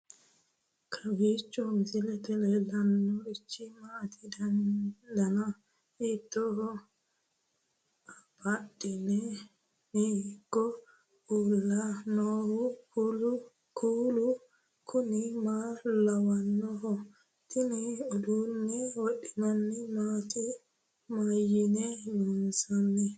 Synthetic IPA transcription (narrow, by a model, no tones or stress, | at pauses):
kʰawit͡ʃːɔmisilɛt̪ɛlɛlanːɔɾit͡ʃːimat̪ʰidand̪ana | it̪ːɔhɔ | abaɗinɛ | niikːɔ | ʔulːanɔɾukulu | kʰulu | kʰunimalawanːɔhɔ | tiniɔdunːɛwoɗinanːimati | majinɛjunsanːɛ